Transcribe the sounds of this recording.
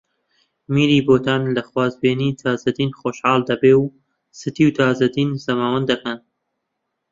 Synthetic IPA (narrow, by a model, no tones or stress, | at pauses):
miːɾiːboːt̪aːnlɐxwaːzbeːniːt̪ʰaːzɐd̪iːnχoːʃhɑːld̪ɐbeːw | sɨt̪iwt̪ʰaːzɐd̪iːnzɐmaːwɐnd̪ɐkɐn